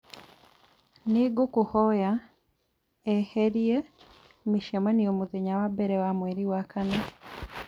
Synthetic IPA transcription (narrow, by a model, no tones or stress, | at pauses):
niɡukuhoja | eheɾie | miʃemaniomuðeɲawabeɾewamweɾiwakʰana